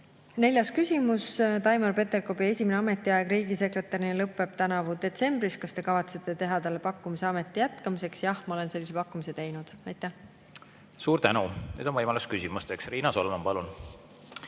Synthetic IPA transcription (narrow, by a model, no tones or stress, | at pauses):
ne̞lʲjɑskysʲimust̪ɑjmɑrpe̞t̪ːe̞rko̞bie̞sʲimeneɑme̞t̪ːˑiɑeɡ̥riːɡise̞kre̞t̪ːˑɑɾinlɤpːˑe̞b̥̚t̪ænɑvud̪e̞t̪se̞mbriskɑst̪e̞kɑvɑt̪set̪ːˑe̞t̪e̞ɦɑt̪ɑlːe̞pɑkːˑumise̞ɑme̞t̪ːˑijæt̪kɑmise̞ksjɑhmɑo̞le̞nse̞lːise̞pɑkːˑumise̞t̪e̞jnud̪̥ɑjt̪ˑːæh | suːɾt̪ænuny̰ːd̪onvɤjmɑluskysimust̪eksriːnɑso̞lemɑmpɑlun